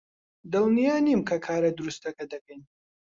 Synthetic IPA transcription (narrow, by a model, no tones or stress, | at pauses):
d̪ɨlˠnijaːnimkʰɐkʰaːɾɐd̪ɨɾust̪ɐkɐd̪ɐkɐjn